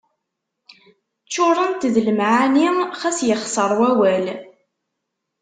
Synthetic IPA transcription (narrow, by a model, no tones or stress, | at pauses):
t͡ʃːʊɾˤənt̪ðləmʕaniχæsjəχsəɾˤwæwæl